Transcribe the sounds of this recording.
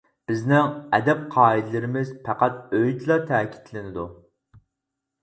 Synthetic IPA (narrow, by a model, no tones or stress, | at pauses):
b̥ɪznɪŋɛ̰d̪ɛp̚qʰɑːid̪ɪlɪɾɪmɪzpʰæqæt̪̚øjt̪lˠɑt̪ʰɛːkʲʰi̥t̪ʰlɪnɪd̪u